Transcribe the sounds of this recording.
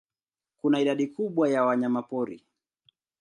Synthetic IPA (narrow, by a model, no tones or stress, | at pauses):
kunaiɗaɗikuɓwajawaɲamapɔɾḭ